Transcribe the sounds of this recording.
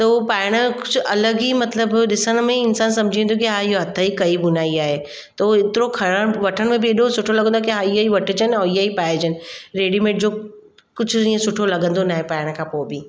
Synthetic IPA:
t̪opaːɪɽ̃kʊt͡ʃʰɐləɡɦimɐt̪ləbɗɪsənmẽɪnsaːnsɐ̃md͡ʒʱĩnd̪okiɦaːjoɦɐt̪ʰːaikɐibʊnaːiaːɦe | t̪oɪt̪ɪɾõkʰɐɽəʋɐʈʰənmẽbʱieɗõsʊʈʰolɐɡə̃nd̪okiɦaːijaiʋɐʈʰəd͡ʒanɔːijaipaːed͡ʒənɾeːɖimẽːʈd͡ʑoː | kʊt͡ʃʰiə̃sʊʈʰolɐɡə̃nd̪onaɦepaːɪɽ̃kʰapoːbʱi

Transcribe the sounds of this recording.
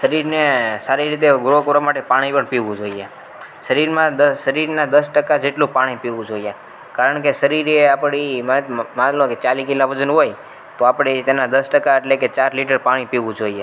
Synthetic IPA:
ʃəɾiɾnesaɾiɾit̪̬eɡɾokəɾʋamaʈepaɽ̃ipəɳpiʋũd͡ʒoie | ʃəɾiɾmãd̪əʃəɾiɾnad̪əsʈəkad͡ʒeʈlũpaɽ̃ipiʋũd͡ʒoje | kaɾəɳkeʃəɾiɾeapɽiməmãlõket͡ʃalikilaʋəd͡ʒənɦoj | t̪oapɽet̪enad̪əsʈəkaeʈleket͡ʃaɾliʈ̬əɾpaɽ̃ipiʋũd͡ʒoie

